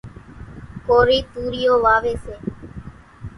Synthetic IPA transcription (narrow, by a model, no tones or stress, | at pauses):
koɾit̪uɾioʋaʋese